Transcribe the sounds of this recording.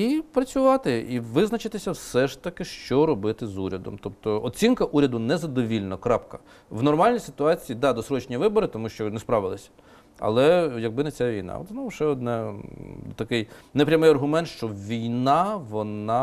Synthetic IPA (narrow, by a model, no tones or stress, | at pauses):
ipɾɐt͡sʲʊʋɑt̪ɪiʋɪznɐt͡ʃɪt̪ɪsʲɐwsɛʃt̪ɐkɪʃt͡ʃɔɾɔbɪt̪ɪzuɾʲɐd̪ɔ̰mt̪ɔp̚t̪ɔɔt͡sʲinkɐʔuɾʲɐd̪ʊnɛzɐd̪ɔʋʲilʲnɔkɾɑpkɐ | ʋnɔrmɑlʲnʲijsɪ̥t̪ʊɑt͡sʲijid̪ɑd̪ɔsɾɔt͡ʃnʲiʋɪbɔɾɪt̪ɔmuʃt͡ʃɔnɛspɾɑʋɪlˠɪsʲɐ̥ | ɐ̰lˠɛjɐɡ̚bɪnɛt͡sʲaʋʲijnɑ̰ɔ̰t̪snɔʊʃɛɔd̪nɛ | t̪ɐkɪjnɛpɾʲɐmɪjɐrɦʊmɛnt̪ʃt͡ʃɔʋʲijnɑʋɔnɑ